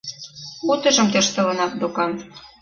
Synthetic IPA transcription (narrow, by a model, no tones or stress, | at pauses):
ut̪ɤ̆ʒɤ̆mt̪ĕʃt̪ɤ̆lɤ̆nɑt̪̚d̪okɑn